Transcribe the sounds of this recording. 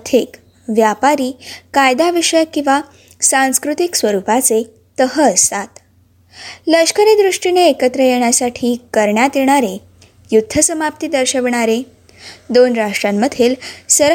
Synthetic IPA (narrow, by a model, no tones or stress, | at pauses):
t̪ʰik | ʋjapaɾiːkajd̪aʋiʂəjkĩw̃ʋa | sãnskɾut̪iksʋəɾupat͡se | t̪əɦəːst̪at̪ | ləɕkəɾed̪ɾuʂʈineːkət̪ɾəjeɳ̃jasaʈʰiːkəɾɳjat̪jeɽ̃aɾe | jud̪ʱːəsəmap̚t̪iːd̪əɾɕəʋɳ̃aɾe | d̪onɾaʂʈɾamːəd̪ʱelsəɾ